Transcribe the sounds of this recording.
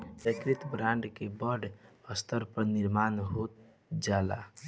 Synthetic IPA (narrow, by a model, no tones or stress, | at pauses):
pɾəkɾit̪bɾãɳɖkebəɖəst̪əɾpəɾniɾmanɦot̪ | d͡ʒala̰